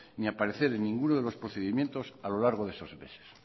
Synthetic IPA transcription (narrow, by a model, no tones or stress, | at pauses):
niapaɾeθe̞ɾenːĩŋɡunoð̞e̞lo̞spɾoθeðimje̞nt̪o̞salo̞laɾɣoðe̞sozmḛse̥s